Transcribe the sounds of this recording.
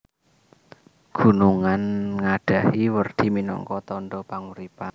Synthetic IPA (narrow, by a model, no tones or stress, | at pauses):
ɡ̥ṳnuŋanŋaɖ̥a̤hiwərd̪̥i̤minɔ̰ŋkɔt̪ɔnɖɔpaŋuɾipan